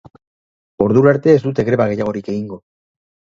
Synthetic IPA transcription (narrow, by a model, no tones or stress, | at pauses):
o̞ɾðuɾaɾt̪e̞ːzd̪ut̪e̞ɣɾe̞βaɣ̞e̞jaɣ̞o̞ɾike̞ɣiŋɡo̞